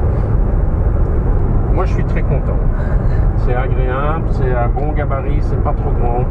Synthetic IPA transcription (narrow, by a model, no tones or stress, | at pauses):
mwaʒəsɥit̪χɛkɔ̃t̪ɑ̃ | sɛaɡʁea | bləsɛãɡɔ̃ɡabaʁisɛpat̪χoɡʁɑ̃